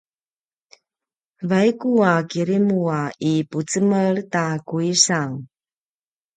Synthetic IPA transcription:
vajkuakiɾimuaiput͡səmərtakuisaŋ

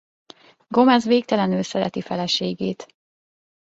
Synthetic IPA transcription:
ɡo̞mɛzʋeːk̚t̪ɛlɛnøːsɛɾɛt̪ifɛlɛʃeːɡeːt̪

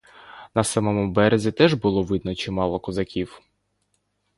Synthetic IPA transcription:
nɐsɑmɔmʊbɛɾezʲit̪ɛʒbʊlˠɔʋɪd̪̚nɔt͡ʃimɑlˠɔkɔzɐkʲiw

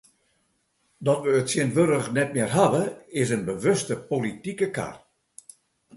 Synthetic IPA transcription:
dɔtʋəːtsjɪənʋøɾəxnɛt̚mɪərɦaʋəɪs̬ənbəʋøstəpolitikəka̰r

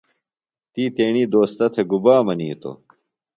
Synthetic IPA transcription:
t̪iːt̪eːɳiːd̪oːst̪ɐt̪ʰeɡubaːmɐniːt̪o̰

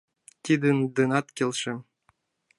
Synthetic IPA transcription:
t̪ʲid̪ɘ̆nd̪ɤ̆nɑt̪kʲelʲʃɘ̆

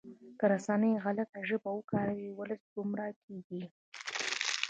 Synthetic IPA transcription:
kəɾasanəjɣalat̪aʒəbawəkɑɾawiwələsɡʊmɾakeɡi

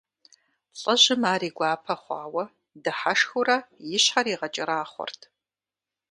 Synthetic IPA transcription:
ɬʼɐʑɪmaːriːɡʷɑːpʰɐχʷɑ̰ːwɐ | dɨħaʂxuɾɐjɪɕħaɾiːʁɐt͡ʃʼɐɾaːχʷɔ̰rtʰ

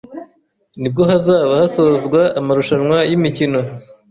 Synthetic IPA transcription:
nib̚ɡoɦazaːβahasozɡwaːmaɾuʃanwajimicino

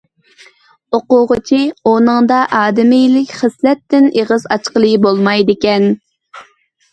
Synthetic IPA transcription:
oqʊʁət͡ʃʰionɨŋd̪ɑʔɑːd̪ɪmɪjlɪkʲχəslɛt̪ːɪneʁɨzɑt͡ʃqəlˠɨbolˠmɑjd̪ɪkʲɛn

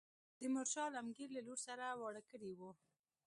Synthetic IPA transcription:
d̪̥əmʊɾʃɑlamɡiɾlaloɾsaɾawɑɽakəɽiwu

